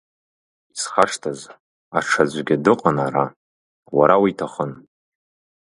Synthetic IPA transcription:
isχaʂtʰaz | aʈ͡ʂʰad͡ʑʷɡʲadɨqʼanaɾa | waɾawiitʰaχən

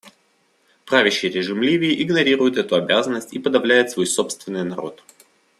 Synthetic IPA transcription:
pɾavʲɪɕːɪjɾʲɪʐɨmlʲivʲɪːʔɪɡnɐɾʲiɾʊjɪt̪ɛt̪ʊɐbʲazənːəsʲtʲipəd̪ɐvlʲæjɪt̪svo̞jso̞pst̪vʲɪnːɨjnɐɾo̞̰t̪

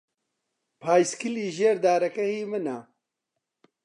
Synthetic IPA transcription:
pʰaːjskiliːʑeːɾd̪aːɾɐkɐhiːmɐnaː

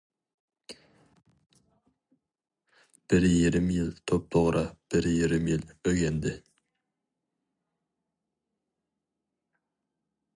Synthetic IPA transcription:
b̥ɪɾjiɾɪmjɪlt̪ʰop̚t̪ʰoʁɾɑb̥ɪɾjiɾɪmjɪløɡʲend̪ɪ

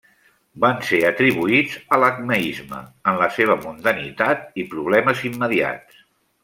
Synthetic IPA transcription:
banseət̪ɾiβuid͡zələknəizmə̰ənləseβ̞əmund̪ənit̪at̪̚ipɾuβ̞lɛməzimːəðia̰tt͡s

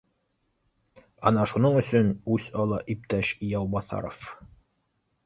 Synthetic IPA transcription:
ɑnɑʃunɤɴɵ̆sɵnʉsɑlˠɑʔip̚t̪æʃjɑwbɑθɑ̰ɾof

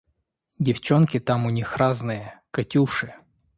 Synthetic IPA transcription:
dʲɪft͡ɕonkʲɪt̪amʊnʲixraznɨjəkɐtʲuʂɨ

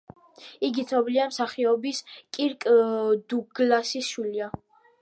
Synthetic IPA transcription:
iɡit̪sʰɔbliamsaχiɔbiskʼiɾkʼd̪uɡlasisʃwilia

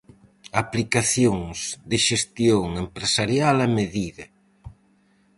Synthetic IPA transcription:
aplikaθjoŋzðɪʃest̪joŋempɾesaɾjalɛmeðiðɐ

